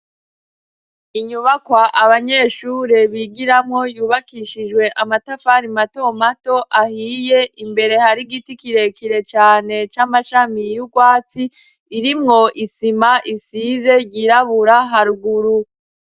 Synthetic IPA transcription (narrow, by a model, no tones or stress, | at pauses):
iɲuβakwaʔaβaɲe̞ʃuːɾe̞βiɡiɾamŋo̞juːβakiʃid͡ʒwe̞ʔamatafaɾimato̞mato̞ʔahiːje̞ʔimbe̞ɾe̞haɾiɡitikiɾe̞kʰiɾe̞t͡ʃaːne̞t͡ʃamaʃamijuɡwaːt͡siː | ɾimŋo̞ʔisimaʔisiːze̞ɟiɾaβuɾaɦaɾuɡuɾu